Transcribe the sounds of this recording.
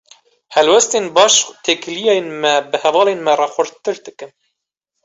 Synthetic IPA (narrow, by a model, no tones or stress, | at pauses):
hɛlwɛst̪enbɑːʃt̪ʰeːklijɑjenmɛbɨhɛvɑːlenmɛrɑxʷɨɾt̪ɨɾd̪ɨkɨn